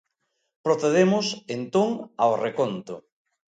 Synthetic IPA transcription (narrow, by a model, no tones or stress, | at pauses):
pɾoθeðemʊsent̪oŋaorekont̪ʊ